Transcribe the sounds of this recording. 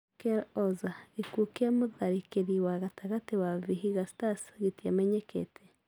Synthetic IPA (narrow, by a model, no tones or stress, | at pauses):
keɾozaikukiamuðaɾikeɾiwaɣataɣatiwavihiɣastasɡitjameɲekʰḛtʰe